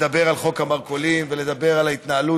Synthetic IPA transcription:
abe̞ʁalχo̞kamaʁkolimveled̪abe̞ʁalait̪naːlu

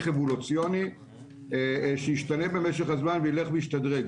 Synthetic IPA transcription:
χevolut͡sijo̞ni | ʃejiʃtanebe̞meʃeχhazmanveile̞χbeiʃtadʁeɡ

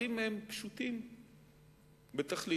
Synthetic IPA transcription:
imempʃut̪im | bet̪aχli

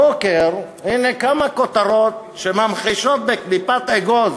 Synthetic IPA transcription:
okeɾ | hinekamakot̪aɾot̪̚ | ʃemamχiʃot̪̚beklipat̪eɡoz

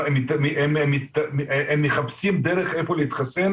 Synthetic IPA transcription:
emit̪ememit̪emːeχabsimd̪eʁeχefoleit̪χasen

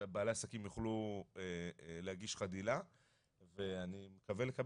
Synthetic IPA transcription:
baːleasakimjuχluelehaɡiʃχadila | ve̞animekavelekab

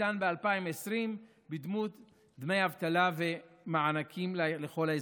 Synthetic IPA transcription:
anbealpaimesʁim | bid̪mut̪ | d̪me̞javt̪alave̞maʕanakʰimlleχo̞la

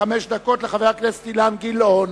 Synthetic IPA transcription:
ameʃd̪ako̞t̪leχavajaklest̪ilanɡilon

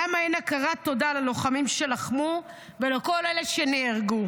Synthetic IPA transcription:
amainakaʁat̪o̞dalalo̞χamimʃe̞laχmu | veleko̞leleʃeneaʁɡu

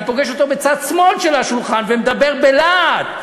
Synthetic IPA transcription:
po̞ɡeʃo̞t̪o̞bet͡sad̪smo̞lʃelaʃulχanvemed̪abe̞ʁbelad̪̥

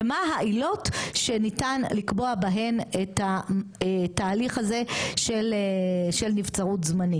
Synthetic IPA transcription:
maɦaʔilo̞tʃenitanlikbo̞abaɦe̞neta | taːliχhaze̞ʃeleʃelnift͡saʁutzmani

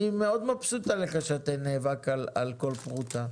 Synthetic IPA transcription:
imeo̞d̪mapsut̪alekaʃaat̪eneːvakala̰lko̞lpʁuta

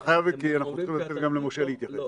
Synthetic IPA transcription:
χajavkianaχnut͡sχimlat̪et̪̚ɡamlemoʃeleit̪jaχes

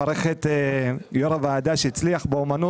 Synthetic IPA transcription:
ɾeχet̪ejoɾavaːd̪aʃeit͡sliaχbeomanu

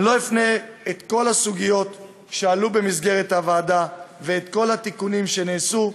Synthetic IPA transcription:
lo̞ifneet̪ko̞lasuɡijo̞t̪ | ʃealube̞mis̬ɡe̞ʁet̪havaːdave̞ːt̪ko̞lhat̪ikunimʃe̞neːsu

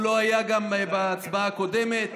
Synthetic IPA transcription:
loajaɡambaːt͡sbakod̪emet̪

